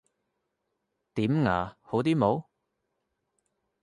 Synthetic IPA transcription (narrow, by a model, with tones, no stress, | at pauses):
t̪iː˨˥mŋa̰ː˨˩ho˨˥wt̪iː˥mo˨˧˥w